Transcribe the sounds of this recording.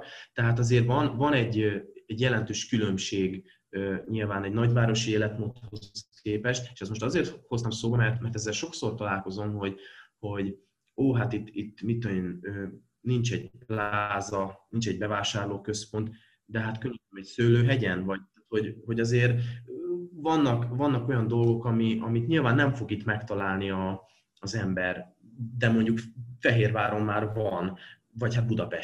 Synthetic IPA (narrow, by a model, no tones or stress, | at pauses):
t̪ɛɦaːt̪ɒzeːrvɒnvɒnɛɟøɛɟjɛlɛn̪t̪øːʃkylø̞mʃeːɡ | øɲilvaːnɛɟnɒɟvaːɾo̞ʃieːlɛt̪moːt̪ho̞sskeːpɛʃt̪eːʃɛsmo̞ʃt̪ɒzeːrt̪ho̞st̪ɒmsoːbɒmɛrt̪mɛrt̪ɛzːɛlʃo̞ksort̪ɒlaːlko̞zo̞mɦo̞ɟho̞ɟ | oːɦat̪it̪ːit̪ːmit̪ːojenøː | nint͡ʃɛɟ̥plaːzɒnint͡ʃɛɟ̚bɛvaːʃaːrloːkø̞spo̞nt̪ | d̪ɛɦat̪køɲːømɛcsøːløːɦɛɟɛnvɒɟ̚t̪aːt̪ho̞ɟho̞ɟɒzeːr | vɒnːɒkvɒnːɒko̞jɒnd̪o̞lɡo̞kɒmiɒmit̪ɲilvaːnːɛɱfo̞ɡit̪mɛkt̪ɒlaːlniɒː | zɛmbɛr | d̪ɛmo̞ɲɟukfɛɦeːrvaːɾo̞mːaːrvɒn | vɒchat̪̚bud̪ɒpɛʃ